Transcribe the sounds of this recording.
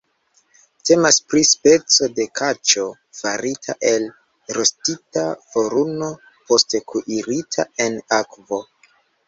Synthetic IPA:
te̞maspɾispe̞t͡so̞de̞kʰat͡ʃo̞ | vaɾitʰa̰ʔe̞l | ɾostitavo̞ɾuno̞ | po̞stekʰuʔiɾitʰa̰e̞nakvo̞

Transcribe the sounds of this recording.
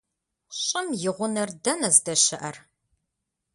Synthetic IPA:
ɕʼɪmjɪʁʷʊnɐrdɐnɐzdɐɕɐʔɐr

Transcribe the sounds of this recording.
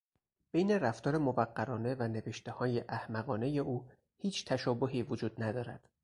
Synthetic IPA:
b̥ejneræft̪ʰɒːɾe̞movæɢːæɾɒːne̞væne̞ve̞ʃt̪e̞hɒːje̞ʔæhmæɣɒːne̞je̞ʔuː | hiːt͡ʃʰt̪ʰæʃɒːboɦiːvod͡ʒuːd̪̥næd̪ɒːɾæd̪̥

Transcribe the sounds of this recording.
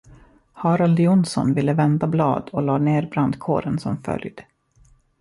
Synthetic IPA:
hɑːɾald̪jʊnsɔ̰nvɪlːəvɛnd̪ablɑ̰ːd̪ɔlɑːneːɾbɾand̪kʰo̰ːɾənsɔmfœ̰ljd̪

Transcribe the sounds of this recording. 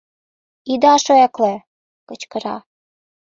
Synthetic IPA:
id̪ɑʃoeklĕ | kɤ̆t͡ɕkɤ̆ɾɑ̰

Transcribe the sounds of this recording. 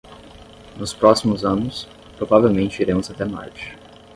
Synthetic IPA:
nʊspɾɔsimʊzɐ̃nʊs | pɾovavewmẽnt͡ʃɪiɾẽmʊzat̪ɛma̰ɾt͡ʃɪ̥

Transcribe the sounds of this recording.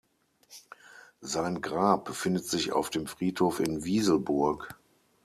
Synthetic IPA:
zaɪnɡʁaːp̚b̥əfɪndətz̥ɪça̰ʊfd̥eːmfʁ̥iːthoːfɪnviːzl̩bʊɐk

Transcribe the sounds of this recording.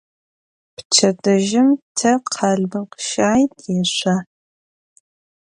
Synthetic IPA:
pt͡ʃʰɐdɐʒɪmtʰɐqʰɑːɮbɨqə̥ʃaːjtʰʼjɛɕʷaː

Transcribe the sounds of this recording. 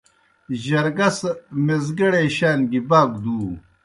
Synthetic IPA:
ʑɐɾɡɐsmezɡɐɽeɕaːnɡibaːɡ̚d̪uː

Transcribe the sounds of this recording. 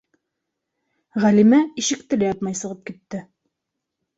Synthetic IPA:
ʁælimæiʃɘ̆k̚t̪ɘ̆læjɑt̪mɑjsɤ̆ʁɤp̚kit̪ːɘ

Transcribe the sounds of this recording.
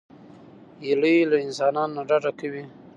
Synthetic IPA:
jaləjlaɪnsɑnɑnonaɖaɖakawi

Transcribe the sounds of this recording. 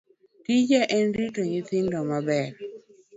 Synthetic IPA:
tid͡ʒɛʔɛnɾitoɲit̪ɪndɔmabɛr

